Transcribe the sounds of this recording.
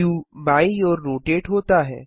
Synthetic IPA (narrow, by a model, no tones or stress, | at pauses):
ũːbaijɔːɾːoʈeːʈɦot̪aɦɛ̰ː